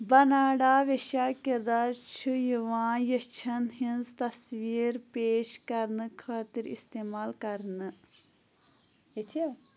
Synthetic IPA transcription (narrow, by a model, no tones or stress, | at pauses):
bɐnaːɽaːʋeʃaːkiɾd̪aːɾt͡ʃʰujuʋãːjɐt͡ʃʰɐnɦĩnzt̪ɐsʋiːɾpeːʃkɐɾnɨkʰaːt̪iɾḭst̪eːmaːlkɐɾnɨ | it̪ʰia